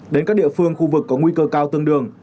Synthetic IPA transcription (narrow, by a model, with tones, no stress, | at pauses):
ɗe˨˦nkaː˦˥k̚ɗ̰ḭ˧˨fɨ˧əŋxu˧vɨ˨˩kːɔ˨˦ŋwi˧kəː˧kaː˧wt̪ɨ˧əŋɗɨ˨˩əŋ